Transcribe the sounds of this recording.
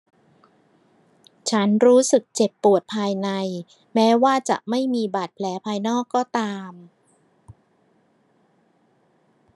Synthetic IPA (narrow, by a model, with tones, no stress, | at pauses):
t͡ɕʰa˦˥nɾuː˦˥sɯ˨˩k̚t͡ɕe˨˩pːu˨˩ət̪̚pʰaː˧jna˧j | mɛː˦˥waː˥˩t͡ɕa̰˨˩ʔma˥˩jmiː˧baː˨˩t̪̚pʰlɛː˩˦pʰaː˧jnɔː˥˩kːɔː˥˩t̪aː˧m